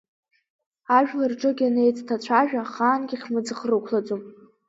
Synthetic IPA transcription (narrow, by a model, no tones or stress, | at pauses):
aʒᶣlɨrʈ͡ʂʼɨɡʲanejt͡sʼtʰat͡ɕʷʰaʒᶣaχaːnɡʲiχʲmɨd͡zɨχrɨkʷʰlad͡zʼum